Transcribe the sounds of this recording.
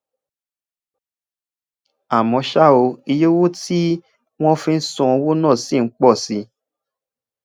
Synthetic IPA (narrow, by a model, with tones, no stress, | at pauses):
a˨mɔ̃˨˧˦ʃa˦o˧i˧jo˦wo˦ti˦ | w̃ɔ̃˦fĩ˧n̩˦sũ˧ɔ˧wo˦nã˦˨si˦˨n̩˦k͡pɔ˦˨si˧˦